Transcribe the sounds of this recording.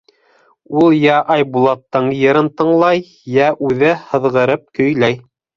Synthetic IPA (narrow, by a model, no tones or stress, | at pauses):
ulˠjæʔɑjbulˠɑt̪ːɤɴjɤ̆ɾɤnt̪ɤ̆ɴlˠɑj | jæʔʉðɘhɤ̆ðʁɤ̆ɾɤp̚kɵ̆jlæj